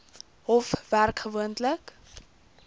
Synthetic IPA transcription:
ɔfværkχəvuəntlək

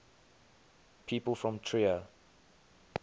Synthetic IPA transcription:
pʰiːˑpəlˠfɹɔ̃mtʰɹiə

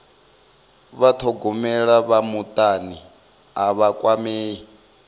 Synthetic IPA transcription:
βatʰɔɡɔmɛɺaβamut̪ʼani | aβakʼwameːi

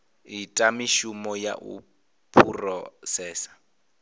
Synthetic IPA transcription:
ɪtʼamiʃumɔja̰ʔṵ | pʰurɔsɛːsḁ

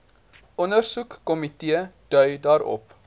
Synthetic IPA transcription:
ʔɔnərsukːɔmitiəd̥œɥdɑːɾɔ̰p

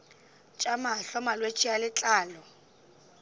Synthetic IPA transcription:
t͡ʃʼamaɬɔmalwet͡ʃʼialɪt͡ɬʼaːlɔ

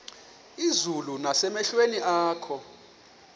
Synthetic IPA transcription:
izulunasɛmɛɬweniʔaːkʰɔ

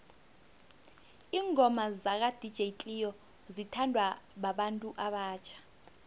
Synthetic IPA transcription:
iːŋʱɔmazak̬ad̥ʱid̥ʒ̥ʱejtʼijɔ | zitʰandʱwaɓaɓantʼuʔaɓaːt͡ʃʰḁ

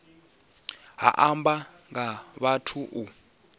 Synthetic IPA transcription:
ɦa̰ʔamba | ŋɡaβatʰuʔu

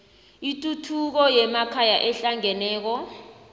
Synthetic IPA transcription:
itʼutʰuk̬ɔjɛmakʰajaʔɛɬaŋɛnɛːk̬ɔ

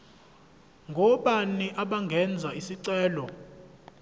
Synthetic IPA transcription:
ŋɡʱɔɓaniʔaɓaŋɡʱɛnd͡zʱaisiǀɛːlɔ

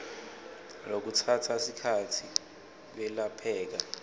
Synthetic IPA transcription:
lok̬utʰatʰasikʰatʰi | k̬wɛlapʰɛːk̬a

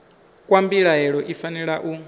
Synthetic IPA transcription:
kʼwambiɺaɦɛɺɔʔifanɛɺaʔu

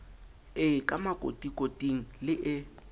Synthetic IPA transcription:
ɪkʼamakʼo̰tʼikʼotʼiŋ̩lɪʔɪ

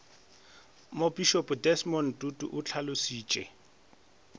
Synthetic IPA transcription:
mobiʃɔpʼdɛsmɔn̩tʼutʼṵʔʊt͡ɬʰalʊsiːt͡ʃʼɛ̰

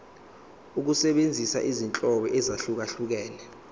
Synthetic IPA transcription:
uk̬usɛɓend͡zʱisa̰ʔizint͡ɬʼɔɓɛʔɛzaɬuk̬aɬuk̬ɛːnɛ

